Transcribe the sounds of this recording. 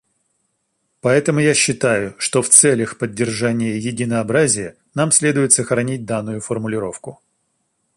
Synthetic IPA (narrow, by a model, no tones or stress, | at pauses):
pɐɛt̪əmʊjaɕːɪt̪ajʊʂt̪o̞ft̪sɛlʲəxpədʲːɪrʐanʲɪjəjɪdʲɪnəɐbɾazʲɪjə | namsʲlʲe̞d̪ʊjɪt̪səxɾɐnʲit̚ʲd̪anːʊjʊfərmʊlʲɪɾo̞fkʊ